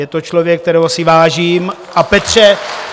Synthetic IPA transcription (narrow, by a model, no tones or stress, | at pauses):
jɛt̪ot͡ʃlovjɛk̚ːt̪ɛɾɛɦosɪvaːʒiːm | ʔapɛt̪r̝̥ɛ